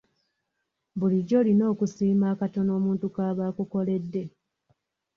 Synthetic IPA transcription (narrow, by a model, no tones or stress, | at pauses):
βuliɟːo̞ːlino̞ːkusiːmaːkato̞no̞ːmuːntukaːβaːkuko̞le̞dːe̞